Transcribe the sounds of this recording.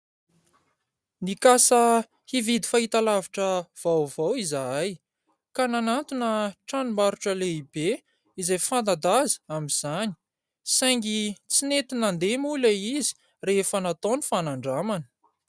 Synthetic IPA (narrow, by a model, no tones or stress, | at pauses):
nikasə | hivid̪ifaɦit̪alaviʈ͡ʂəv̥awvawizaaj | kananant̪unəʈ͡ʂanumaɾuʈ͡ʂəleibe | izajfand̪ad̪az̥amiz̥ani̥ | sajŋɡit͡sinet̪inand̪emuleizi̥ | refənat̪onifanaɳɖ͡ʐamanə̥